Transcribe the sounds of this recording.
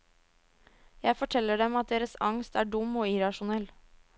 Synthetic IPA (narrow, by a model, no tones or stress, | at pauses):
jæɪfɔʈʰɛlːəɖɛmɑt̪̚d̪eːɾəsɑŋst̪æːɖʊmoːɪɾɑʃʊnɛl